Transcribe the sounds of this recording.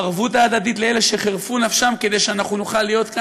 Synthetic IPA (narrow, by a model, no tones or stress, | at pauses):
aʁvut̬aːd̪ad̪itleeleʃeχeʁfunafʃamke̞d̪e̞jʃeanaχnunuχalːijo̞t̪ka